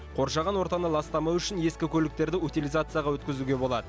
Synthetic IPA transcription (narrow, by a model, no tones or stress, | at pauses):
qʰo̞ɾʃɑʁɑnwo̞ɾt̪ɑnəlˠɑst̪ɑmɑwʏʃɪnje̞skʲɪkʲʰɵlɪk̚t̪e̞ɾd̪ɪut̪ijlˠijzat̪sɨjaʁɑwɵt̪kʲɪzuɡʲe̞bo̞lˠɑ̰d̪ə